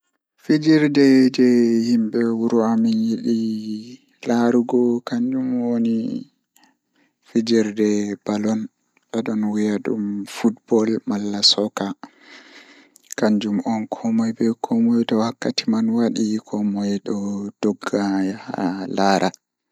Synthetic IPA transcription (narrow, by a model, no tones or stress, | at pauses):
fid͡ʒiɾdɛd͡ʒɛhimɓɛwuɾuaminjiɗi | laɾuɡɔkaɲd͡ʒumwoni | fid͡ʒiɾdɛbalɔn | ɓɛɗɔnwijaɗṵmfutbɔlmalːasɔka | kaɲd͡ʒumʔɔnkʰɔmɔjbɛkʰɔmɔjtɔhakːatimanwaɗikʰɔmɔjɗɔd̥ɔɡːaha̰laɾʔa